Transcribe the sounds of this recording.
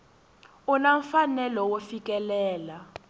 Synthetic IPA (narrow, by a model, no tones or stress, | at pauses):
unaɱfanɛlɔwofik̬ʼɛlɛːla